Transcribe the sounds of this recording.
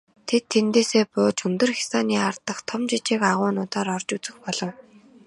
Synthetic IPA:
t̪ʰet̪ʰːent̪eːseːpʊːt͡ɕɵnt̪ɵ̆rxʲi̥saːniːart̪ə̆χt̪ʰɔmt͡ɕit͡ɕiːkaʁʊːnʊːt̪aːɾɔrt͡ɕut͡sɘ̆xpɔɮɞ̆w

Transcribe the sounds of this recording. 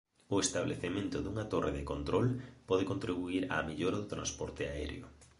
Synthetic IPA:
ʊest̪aβlʔḛθemẽnt̪ʊðuŋat̪orʔeðɪkont̪ɾɔlpɔðekont̪ɾiβuiɾa̰ːmiʎoɾaðʊt̪ɾãnspɔɾt̪ɪaɛ̰ɾj̰ʊ̰

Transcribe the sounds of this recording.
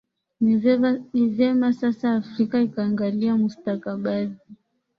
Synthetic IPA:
niɛnivɛmasasaːfɾikaikaːŋɡaliamustakaɓazi

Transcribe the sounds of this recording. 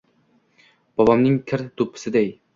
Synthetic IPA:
b̥ɒbɒmnɪŋkʲʰɪɾd̪ʊpʰːɪ̥sɪd̪ej

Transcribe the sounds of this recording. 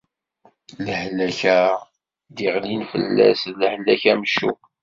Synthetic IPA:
ləħlæçæ | d̪iʁlinfə̰lːæ̰sləħlːæçæməʃṵ

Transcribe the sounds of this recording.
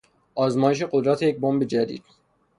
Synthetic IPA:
ʔɒːzmɒːjeʃ̬e̞ɢo̞d̪ɾæt̪ʰejec̚bombe̞d͡ʒæd̪ḭːd̪̥

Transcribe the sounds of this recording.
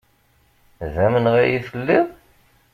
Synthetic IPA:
ðæmənʁæjifəlːiʁ

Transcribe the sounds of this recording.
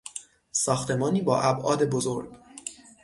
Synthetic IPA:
sɒːxt̪ʰe̞mɒːniːbɒːʔæbʔɒ̰ːd̪e̞bozoɾɡ

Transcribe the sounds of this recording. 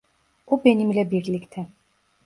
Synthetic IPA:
ubenimlebiɾlikt̪ʰɛ

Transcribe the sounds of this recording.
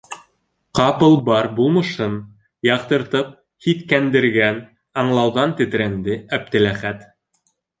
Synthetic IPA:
qɑpɤlˠbɑɾbulˠmɤ̆ʃɤn | jɑqt̪ɤ̆ɾt̪ɤp̚ | hit̪kænd̪ɘ̆ɾɡæn | ɑɴlˠɑwðɑnt̪ɘ̆t̪̆ɾænd̪ɘæp̚t̪ɘ̆læχæt̪

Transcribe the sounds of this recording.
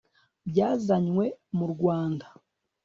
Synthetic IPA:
bjaːzaɲwe̞muɾɡwaːnda

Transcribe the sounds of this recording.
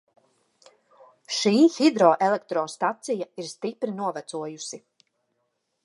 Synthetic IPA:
ʃiːhid̪ɾɔːʔelɛk̚t̪ɾɔːst̪at̪sijaiɾst̪ipɾinuɔvæt̪suɔjusi

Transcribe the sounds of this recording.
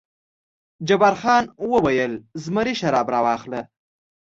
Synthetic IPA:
d͡ʒabaɾxɑnwəwajəlzməɾiʃaɾɑbɾɑwɑxlə

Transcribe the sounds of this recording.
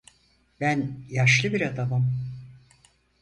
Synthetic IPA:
b̥ænjaʃlˠɯbiɾad̪abɯm

